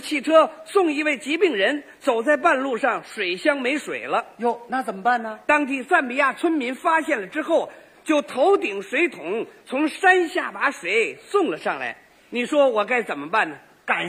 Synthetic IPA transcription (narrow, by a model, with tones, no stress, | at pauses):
t͡ɕʰi˥˩ʈ͡ʂʰɤ˥sʊ˥˩ŋi˧˥we˥˩ɪt͡ɕi˧˥pi˥˩ŋɻə˧˥n | t͡so˨˩ʊt͡sa˥˧ɪpa˥˧nlu˥˧ʂɑ˥˩ŋʂwe˨˩ɪɕjɑ˥ŋme˧˥ɪʂwḛ˨˩ɪlə˦jo˧˩ʊna˥˩t͡sə˨˩mə˦pa˥˩nnə˩t̪ɑ˥ŋt̪i˥˩sa˥˩npi˧˩˥ja˥˩t͡sʰə˥nmi˧˥nfa˥ɕjɛ˥˩nlə˩ʈ͡ʂɻ̩˥xo˥˩ʊ | t͡ɕjo˥˩ʊt̪ʰo˧˥ʊt̪i˨˩ŋʂwe˧˥ɪt̪ʰʊ˧˥ŋt͡sʰʊ˧˥ŋʂa˥nɕja̰˥˩pa˧˥ʂwe˨˧˩ɪsʊ˥˩ŋlə˩ʂɑ˥˩ŋla̰˧˥ɪ | ni˨˩ʂwɔ˥wɔ˨˩ka˥˩ɪt͡sə˨˩nmə˦pa˥˩nnə˩ | ka˨˩